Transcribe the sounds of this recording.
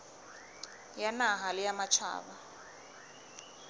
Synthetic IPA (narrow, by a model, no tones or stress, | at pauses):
janaɦalɪjamat͡ʃʰa̰ːβa